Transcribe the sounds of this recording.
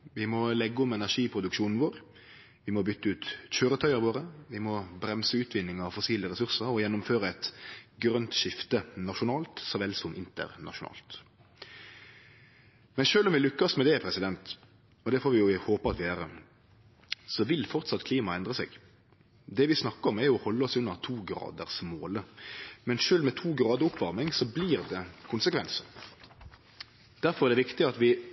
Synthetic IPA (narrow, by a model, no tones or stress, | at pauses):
ʋɪmɔlɛɡːɔmɛnæʂiːpʰɾʊd̪ʉkʂuːnn̩ʋoːɾ | ʋɪmɔbʏt̪ːəʉːt̪çøːɾət̪ʰœʏəɾʋoːɾəʋɪmɔbɾɛmsəʉːt̪ʰʋɪnːɪŋɑʋfɔsiːləɾɛsʉʁsəɾɔjɛnːʊmføːɾəɛt̪ɡɾœnt̪ʃɪft̪ənɑʃʊnɑːlt̪sɔʋɛlːsɔmɪnt̪ə̰ʁnɑ̰ʂʊnɑ̰ːlt̪ | mɛnʃøːlɔmʋɪlʏkːəsmɛd̪ɛpʰɾɛsɪd̪ɛnt̪ | ɔd̪ɛfoːɾʋɪjʊhoːpəɑt̪ʋɪæːʁə | sɔʋɪlfɔʁt̪sɑt̪ːkʰliːmɑɛnd̪ʁəsɛ̰ːɡ | d̪ɛʋɪsnɑkːəɔmæɾjʊɔhɔlːəɔsʉnːəʁt̪ʰuːɡɾɑ̰ːd̪əʁsmoːləmɛnʃøːlmɛt̪ʰuːɡʁɑːd̪əʊpʋɑʁmɪŋsɔbliːʁd̪ɛkʰʊnsəkʰʋɛnsən | d̪̥æɾfɔʁɛʁd̪ɛʋɪkt̪ɪɑt̪ʋɪ